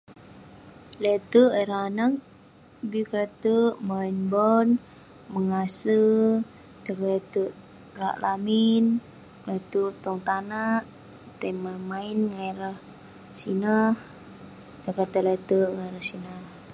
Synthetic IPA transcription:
lɛt̪əʔeɾaanak | bikɾɛt̪əʔmainbɔn | məŋasə | t̪əklɛt̪əʔ | ra̰ʔlamin | lɛt̪əʔt̪ɔŋt̪anaʔ | t̪emamainŋaiɾəh | sinəh | t̪əkɾet̪əlɛt̪əŋaiɾəhsina

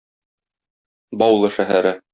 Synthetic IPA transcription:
bɒwlˠɤʃæɦæɾɘ

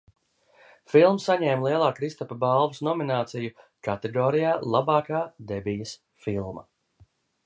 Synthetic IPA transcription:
filˠmsːaɲɛːmlˠiɛlˠaːkɾist̪ɔpabalˠvusnɔminaːt̪siju | kat̪eɡɔːɾijaːlˠabaːkaːd̪ebijɐs | filˠma

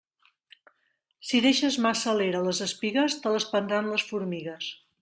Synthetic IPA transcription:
siðeʃəzmasəleɾələzəspiɣəst̪ələspənd̪ɾanləsfuɾmiɣəs

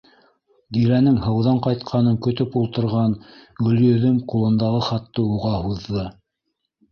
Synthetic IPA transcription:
d̪iɾænɘŋhɤ̆wðɑɴqɑjt̪qʰɑnɤŋkɵ̆t̪ɵpulˠt̪ɤ̆ɾʁɑnɡɵ̆ljɵ̆ðɵmqulˠɤ̆nd̪ɑʁɤχɑt̪ːɤuʁɑhuðːɤ

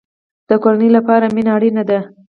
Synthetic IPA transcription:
d̪̥əkoɾanəjlapɑɾaminaːɽinad̪a

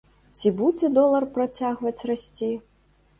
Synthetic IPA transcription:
t͡sʲibud͡zʲɛd̪ɔlˠɐrpɾat͡sʲaɣvɐt͡sʲrasʲt͡sʲi

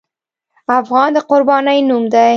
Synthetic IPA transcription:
afɣɑnd̪əqʊɾbɑnəjnumd̪aj

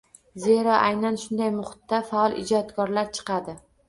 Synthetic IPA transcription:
ze̞ɾɒʔajnanʃʊnd̪ajmʊχʊ̥t̪ːafaɒlˠɪ̰d͡ʒɒt̪kʰɒɾlaɾt͡ʃʰɨ̥qʰɑd̪ɪ

